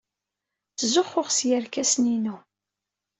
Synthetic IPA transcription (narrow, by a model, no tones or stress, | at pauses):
t͡szʊχːʊʁsjəɾkæsninu